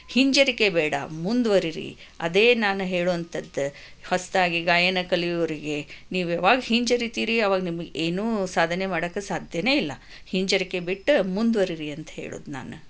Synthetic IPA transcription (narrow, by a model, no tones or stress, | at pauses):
hiɲd͡ʒɐɾike̞bɛːɽɐ̰mund̪ʋɐɾiɾḭ | ɐd̪e̞ːnaːnuɦe̞ːɭuɐnt̪ɐd̪ː | hɐst̪aːɡiɡaːjɐnɐkɐlijoɾiɡe̞niːʋɐʋaːɡɐhiɲd͡ʒɐɾit̪iːɾiɐʋaːɡɐnimɐɡeʔeːnuːsaːd̪ʱɐnemaːɽɐːkːesaːd̪ʱjɐne̞ːilːɐ | hiɲd͡ʒɐɾike̞biʈːumund̪ʋɐɾiɾiɐnt̪ɐ̥ɦḛːɭṵːd̪na̰ːnu